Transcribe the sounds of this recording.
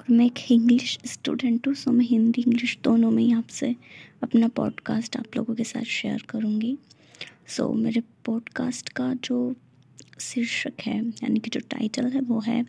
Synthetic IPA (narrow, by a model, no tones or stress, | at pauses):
ɔːɾmɛ̃eːkɪ̃ŋɡlɪʃsʈṵːɖɛ̃ɳʈɦũsomɛ̃ɦɪ̃nd̪iɪ̃ŋɡlɪʃd̪oːnõmẽjɐɦãːpseɐpnapɔ̰ːɖkaːsʈa̰ːplo̰ːɡõkesa̰ːt̪ʰʃeəɾkɐɾũːŋɡi | so̰ːmeːɾepɔːɖkaːsʈkad͡ʒoː | sɪɾʃəkɦɛ̰ːja̰ːnikid͡ʒoːʈa̰ːɪʈəlɦɛʋoːɦɛ̰ː